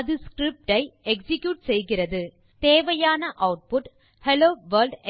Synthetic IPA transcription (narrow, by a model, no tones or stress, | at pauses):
ɐðɯskɾɪp̚ʈɐɪɛksɪkjuːʈsɛjɣɪrɐðɯ | t̪eːʋɐjaːnɐʔɐʊʈ̚pʊʈ | hɛloːʋɐɾlɖ